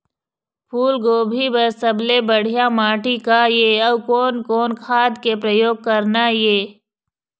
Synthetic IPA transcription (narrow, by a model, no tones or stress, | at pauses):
pʰuːlɡoːbʱibɐɾsɐblebɐɽ̤ijamaːʈikajeɐwkoːnkoːnkʰaːd̪kepɾɐjoːɡ̚kɐɾnajeː